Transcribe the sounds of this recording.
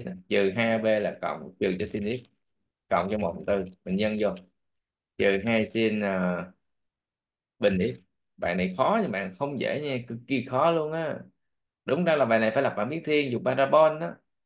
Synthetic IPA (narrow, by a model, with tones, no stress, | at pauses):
t͡ɕɨ˨˩ɦaː˧jɓe˧laː˨˩kə̰˧˨wŋ͡mt͡ɕɨ˨˩t͡ɕɔ˧si˧nʔi˦˥p̚ | kə̰˧˨wŋ͡mt͡ɕɔ˧mo̰˨˩˨t̪ɨ˧ɓï˨˩ŋ̟ɲə˧nzo˨˩j | t͡ɕɨ˨˩ɦaː˧jsi˧nəː˨˩ | ɓï˨˩ŋ̟ʔi˦˥p̚ | ɓa̰ː˧˨na˨˩jxɔ˨˦ɲa˧˩ɓa̰ː˧˨nxə˧wŋ͡mzḛ˧˥ɲaː˧˩kɨ˨˦ki˨˩xɔ˨˦lu˧ənʔaː˨˧˦ | ɗʊ˨˦ŋ͡mzaː˧laː˨˩ɓaː˧˨na˨˩jfaː˧˩jla˨˩pɓa̰ː˧˨mɓi˦əŋt̪ʰi˧ənŋzu˨˩k͡p̚ɓaː˧ɾaː˧ɓɔ˧nʔaː˨˦